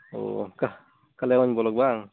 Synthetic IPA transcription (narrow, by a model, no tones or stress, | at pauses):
o̰ka | kalɛŋɔɲbɔlɔɡ̚baŋ